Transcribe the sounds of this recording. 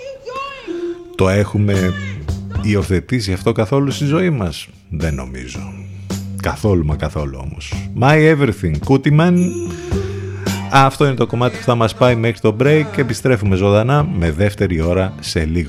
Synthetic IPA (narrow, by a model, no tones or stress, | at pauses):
t̪o̞e̞xume̞ | io̞θe̞t̪isiɐft̪o̞kɐθo̞lust̪izo̞imɐs | ðe̞no̞̰mḭzo̞̰ | kɐθo̞lumɐkɐθo̞luo̞̰mo̞̰smɐieveɾθiŋkut̪imɐn | ɐft̪o̞ine̞t̪o̞ko̞mɐt̪i̥puθɐmɐspɐime̞xɾit̪o̞bɾejceepist̪ɾe̞fume̞zo̞ðɐnɐme̞ðe̞ft̪e̞ɾio̞ɾɐse̞liɣo